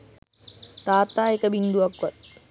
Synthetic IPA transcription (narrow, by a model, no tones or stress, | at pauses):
t̪aːt̪aːekəbind̪uʋɐkʋat̪̚